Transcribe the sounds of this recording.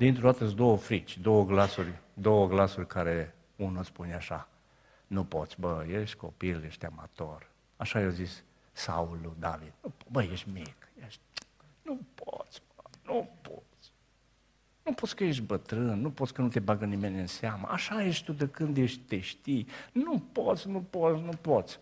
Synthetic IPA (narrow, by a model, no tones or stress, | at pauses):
d̪int̪ɾod̪at̪əsd̪o̞wəfɾit͡ʃʲd̪o̞wəɡlasurʲd̪o̞wəɡlasurʲkʰaɾe | unuspuneaʃa | nupo̞t̪sʲbəjeʃt̪ʲko̞piljeʃt̪ʲama̰t̪o̞r | aʃajewzis | saulud̪avid̪nubəjeʃt̪ʲmikjeʃt̪̚nupo̰t̪sʲbənupo̰t̪sʲ | nupot̪sʲkəjeʃ̬t̪̚ʲbət̪ɾɨnːupot̪sʲkənut̪e̞baɡənimenʲɨnseamə̰ʔaʃajeʃt̪ud̪əkɨnd̪jeʃt̪eʃt̪inupot̪sʲnupot̪sʲnupot̪sʲ